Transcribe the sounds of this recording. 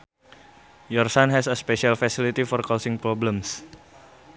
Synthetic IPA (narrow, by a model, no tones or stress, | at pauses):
jɔrsanɦɛsəspeʃalfɛsilit̪ifɔrkɔsɪ̃ŋpɾɔbləms